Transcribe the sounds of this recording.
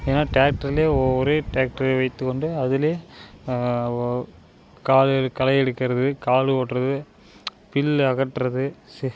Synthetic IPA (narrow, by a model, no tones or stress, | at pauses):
eːnːaːʈaːk̚ʈɐɾɪleːɔɾeːʈaːk̚ʈɐɾʋɐɪt̪ːɯkːɔɳɖɯɐðɪleː | kaːlkɐlɐɪɛɽɯkːɪɾɐðɯkaːlɯoːʈːrɐðɯ | pɪlɐɣɐʈːɾɐðɯs